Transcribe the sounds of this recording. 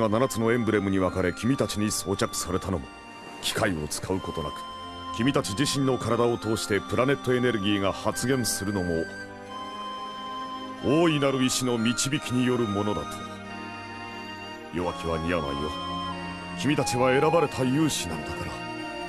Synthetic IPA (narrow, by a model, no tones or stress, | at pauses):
ɡananat͡sɨno̞ẽ̞mbɯ̟ɾe̞mɯ̟ɲ̟iβ̞akaɾe̞kʲimʲit̪at͡ɕiɲ̟iso̞ːt͡ɕakɯ̟̥saɾe̞t̪ano̞̰mo̞̰ | kʲi̥kaio̞̰t͡sɨ̥kaɯ̟ko̞t̪o̞na̰kɯ̥ | kʲimʲit̪at͡ɕid͡ʑiɕĩnːo̞kaɾad̪ao̞t̪o̞ːɕi̥t̪e̞pɯ̟ɾane̞t̪ːo̞e̞ne̞ɾɯ̟ɡʲiːɡahat͡sɨɡẽ̞ɰ̃sɨɾɯ̟no̞mo̞ | oːinaɾɯ̟iɕino̞mʲit͡ɕibʲikʲiɲ̟ijo̞ɾɯ̟mo̞no̞d̪a̰t̪ʰo̥ | jo̞βakʲiβaɲ̟iana̰jo | kʲimʲit̪at͡ɕiβae̞ɾabaɾe̞t̪ʰajɯ̟ːɕinã̰nd̪akaɾaa